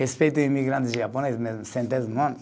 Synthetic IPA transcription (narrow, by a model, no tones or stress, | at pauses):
hespejt̪ʊimiɣɾãnt̪ɪzʒaponezmezmsẽnt̪ezmõnt̪